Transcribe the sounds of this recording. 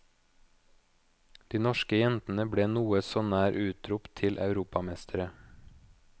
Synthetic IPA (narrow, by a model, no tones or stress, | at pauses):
d̪̥iːnɔʃkəjɛnt̪n̩əbɽeːnuːəsoːnæːɾʔʉːt̪ɾʊpt̪ʰɪlʔɑ̰ʉɾuːpɑmɛst̪ʰəɾə